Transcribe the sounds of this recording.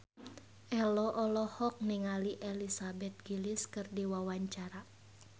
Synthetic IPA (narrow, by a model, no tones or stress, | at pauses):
ʔɛlɔʔɔlɔhɔk̚niŋaliʔɛlisabɛt̪̚ɡiliskɨrdiwawaɲt͡ʃaɾa